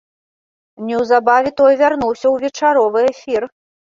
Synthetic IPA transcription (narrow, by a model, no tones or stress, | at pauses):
nʲɛwzabavʲɛt̪ɔjvʲarnuwsʲɐwvʲɛt͡ʂaɾɔvɨɛfʲir